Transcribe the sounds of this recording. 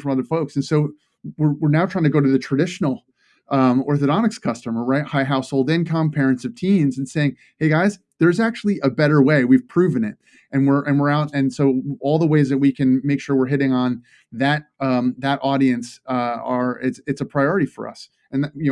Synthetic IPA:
fɹʌ̃mʌðə˞foʊksɨ̃n̩soʊ | wɪɹwɪɹnaʊtʰɹ̥aɪɪ̃ŋtʰɨɡoʊɾɨðɨtʰɹ̥ɨdɪʃn̩l̩ˠ | ʌ̃ɔɹθɨɾɑnɨkskʰʌstəmə˞ɹaɪt̚haɪɦaʊshoʊlˠdɪ̃nkʰʌ̃mpʰɛɹɨ̃ntsʌv̥tʰĩnzɨ̃n̩seɪɪ̃ŋ | heɪɡaɪz | ðə˞zæk̚t͡ʃʉl̩ˠiʔəbɛɾə˞weɪwiv̥pʰɹ̥ʉvɨ̃nɪ̰t̚ | ʔɨ̃nwɪɹʔɨ̃nwɪɹaʊtɨ̃nsoʊɔlˠðəweɪzðɨt̚wikʰɨ̃nmeɪkʃʊɹwɪɹɦɪɾɪ̃ŋə̃n | ðɨɾ̚ʌ̃ðɨɾʔɔɾiɨ̃nsə˞ɪtɨtsɨpʰɹ̥aɪɔɹɨɾifə̰˞ʌ̰s | ɨ̃nðjɨ

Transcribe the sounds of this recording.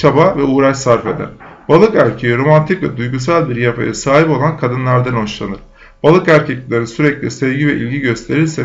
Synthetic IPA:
t͡ʃʰabavɛuːɾaʃsaɾfe̞̰d̪æ̰ɾ̥balˠɯkæɾcʰejiɾo̞mant̪ʰicvɛ̰d̪ujɡus̬alʲˠbiɾjafa̰jasaːɦipo̞lˠankʰad̪ɯnlˠaɾd̪anoʃlˠanɯɾ̥ | b̥alˠɯkæɾcʰɛclʲlʲeɾsyɾɛclʲisɛvɟivɛʔḭlʲɟiɟø̞st̪ʰe̞ɾilʲsɛ

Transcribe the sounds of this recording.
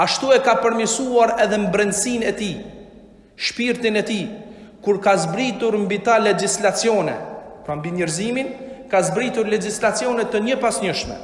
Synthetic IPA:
aʃt̪uɛkapəɾmjəsuaɾɛðɛmbɾɛnd̪sinɛt̪i | ʃpiɾt̪inɛt̪i | kuɾkazbɾit̪uɾmbit̪alɛd͡ʒislat͡sjɔnɛ̰pɾambiɲɛɾziminkazbɾit̪uɾlɛd͡ʒislat͡sjɔnɛt̪ːəɲəpasɲəʃmɛ̰

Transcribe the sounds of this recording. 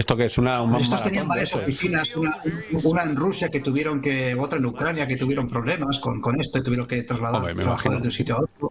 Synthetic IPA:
est̪okeesunapsest̪ost̪e̞niambaɾjasofiθinasunauunaenrusjake̞t̪uβje̞ɾo̞ŋke̞ot̪ɾaenukɾanjake̞t̪uβje̞ɾo̞mpɾo̞βle̞masko̞ŋko̞ne̞st̪oit̪uβjeɾoŋke̞t̪ɾazlaðaɾeɾaβaxaðoezðunsit̪joaot̪ɾo

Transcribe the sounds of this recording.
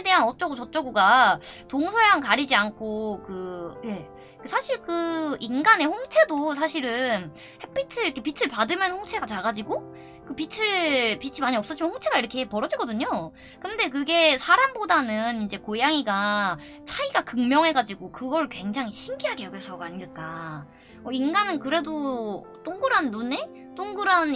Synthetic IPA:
ede̞ɦanʌt̚t͡ɕ͈ʌɡut͡ɕʌt̚t͡ɕ͈ʌɡuɡatoŋsʰojaŋkaɾid͡ʑiankʰokɯje̞ | kɯsʰaɕʰiɭkɯinɡane̞ɸoŋt͡ɕʰe̞dos̬ʰaɕʰiɾɯn | he̞p͈ʰit͡ɕʰɯɾikʰepit͡ɕʰɯɭpadɯmjʌnhɸoŋt͡ɕʰe̞ɡat͡ɕaɡad͡ʑiɡo | kɯpit͡ɕʰɯpit͡ɕʰimaɲiʌps͈ʌt͡ɕ͈ʰimʌnɸoŋt͡ɕʰe̞ɡaiɾʌkʰepʌɾʌd͡ʑiɡʌdɯɲo | kɯnde̞k̬ɯɡe̞sʰaɾambodanɯnind͡ʑe̞kojaŋiɡa | t͡ɕʰaiɡakɯŋmjʌŋɦe̞ɡad͡ʑiɡokɯɡʌɭkwe̞ŋd͡ʑaŋɦiɕʰimɡiɦaɡejʌɡosʰʌɡaɲiɭk͈a | mʌinɡanɯnkɯɾe̞do | t͈oŋɡɯɾanːune̞ | t͈oŋɡɯɾan

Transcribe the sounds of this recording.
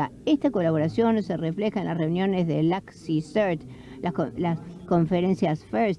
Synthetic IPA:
aest̪ako̞laβo̞ɾasjo̞nsereflexaenlasre̞unjõ̞nezðelaksiseɾt̪lʔalasko̞ɱfeɾensjasfɛɾs

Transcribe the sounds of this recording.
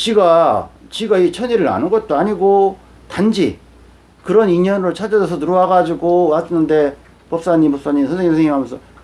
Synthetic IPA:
t͡ɕiɡat͡ɕiɡait͡ɕʰʌɲiɾɯɾa̰nɯnɡʌt̚t͈oaɲiɡo | tand͡ʑi | kɯɾʌniɲʌnɯɾɯɭt͡ɕʰad͡ʑʌd͡ʑʌsʰʌnuɾʌwaɡad͡ʑiɡomas͈ʌnːɯnde̞ | pʌp̚s͈aɲimpʌp̚s͈aɲimisʰʌnsʰeɲisʰeŋjiŋamjʌnsʰʌ

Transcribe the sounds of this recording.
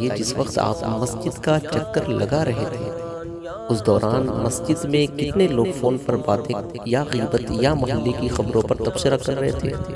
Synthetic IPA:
jed͡ʒɪsʋɐqt̪a̰ːpmɐsd͡ʒɪd̪kat͡ʃɐkːəɾlɐɡaɾɐɦet̪ʰeː | ʊsd̪ɔːɾaːnmɐsd͡ʒɪd̪mẽkɪt̪neloːɡfoːnpɐɾbaːt̪ẽt̪jaɣiːbət̪jamɐɦəlːekixɐbɾõpɐɾt̪ɐbsɪɾakɐɾːɐɦḛt̪ʰḛː

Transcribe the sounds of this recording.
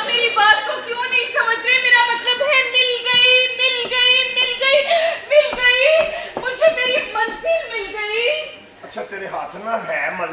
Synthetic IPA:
meːɾibaːt̪̚kokjõːnɐɦĩsɐməd͡ʒʱɾemeːɾamɐt̪ləbɦɛmɪlɡɐimɪlɡɐimɪlɡɐimɪlɡɐimʊd͡ʒʱemeːɾimɐlsimɪlɡɐi | ɐtːʃʰat̪eːɾeɦaːt̪ʰnaɦɛːmɐl

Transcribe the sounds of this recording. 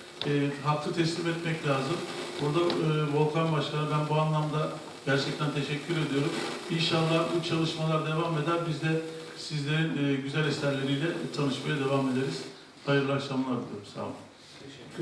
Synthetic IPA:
ɛɦak̚t̪ʰɯt̪ʰɛslʲimɛt̪mɛclʲaːzɯmbuɾd̪aɯːvo̞lˠkʰanbaʃkʰanɯd̪anbuanlˠamd̪a | ɟ̥æɾt͡ʃʰɛc̚t̪ʰænt̪ʰe̞ʃɛcʰːyɾe̞d̪ijo̞ɾuminʃanˠːaɯt͡ʃʰalˠɯʃmalˠaɾd̪e̞vame̞d̪æɾbizd̪ɛ | sizlʲe̞ɾinːɟyzælʲɛsæɾlʲe̞ɾijlʲɛt̪ʰanɯʃmajad̪e̞vame̞d̪e̞ɾiz̥ | ajɯɾlˠaʃamlˠaɾbid̪ʲiɾmsa̰mɯ

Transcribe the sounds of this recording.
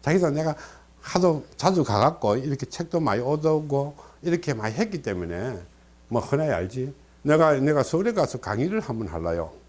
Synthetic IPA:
t͡ɕaɡisʰʌneɡa | hadot͡ɕad͡ʑukaɡak͈oiɾʌkʰet͡ɕʰek̚t͈omaiodʌɡoiɾʌkʰe̞maiɦet̚k͈it͈emune̞ | mʌhɯnaa̰ɭd͡ʑi | neɡaneɡasʰoɾekasʰʌkaŋiɾɯɭhamɯnɦaɭːa̰jo̰

